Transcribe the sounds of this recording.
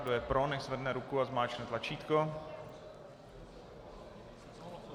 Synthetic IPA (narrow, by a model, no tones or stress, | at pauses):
dojɛpɾonɛʃzvɛdnɛɾukuazmaːt͡ʃnɛt̪lat͡ʃiːt̪ko